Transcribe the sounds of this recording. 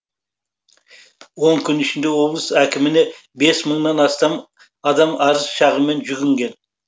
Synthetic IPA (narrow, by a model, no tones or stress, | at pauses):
wo̞ŋkʲʰʏnɪʃɪnd̪e̞wo̞blˠəsækʲɪmɪne̞ | be̞sməɴnɑnɑst̪ɑm | ɑd̪ɑmɑɾəsʃɑʁəme̞nʒʏɡʲɪŋɡʲe̞n